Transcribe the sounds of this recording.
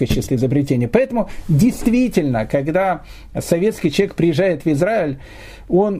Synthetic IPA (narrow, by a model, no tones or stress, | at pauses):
ət͡ɕɪst̪ʲɪɪzəbɾʲɪtʲenʲɪjəpɐɛt̪əmʊdʲɪjst̪vʲitʲɪlʲnəkɐɡd̪a | sɐvʲe̞t̪skʲɪjt͡ɕvʲek̚pɾʲɪjɪʐajɪt̪vɪzɾaɪlʲ | o̞n